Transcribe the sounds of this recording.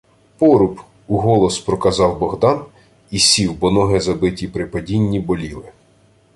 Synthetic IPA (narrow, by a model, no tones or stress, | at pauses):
pɔɾʊp | uɦɔlˠɔspɾɔkɐzɑwbɔɦd̪ɑn | isʲiwbɔnɔɦɪzɐbɪtʲipɾɪpɐdʲinʲːibɔlʲilˠɪ